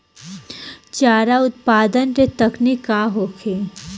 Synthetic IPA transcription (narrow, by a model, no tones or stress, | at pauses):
t͡ʃaːɾaʊt̪̚paːd̪ənɾet̪ɐknikaɦoːkʰeː